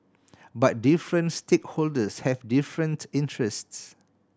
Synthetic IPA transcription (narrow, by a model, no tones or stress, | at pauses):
bat̚difɹə̃ntstʰekholdəshɛvdifɹə̃ntĩntʰɹɛsts